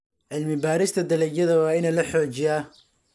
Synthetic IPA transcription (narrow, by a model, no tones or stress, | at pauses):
ʕɪlmɪbaːɾɪst̪ʰɐd̪ɐlɛɡjɐðɐwɑːɪnɛlɐħɔːt͡ʃɪja